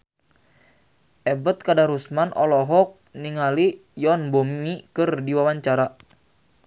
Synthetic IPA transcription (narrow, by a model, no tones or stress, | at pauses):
ʔɛbət̪̚kadaɾusmanʔɔ̰lɔɦɔk̚niŋalijɔnbommikɨrdiwawaɲt͡ʃaɾa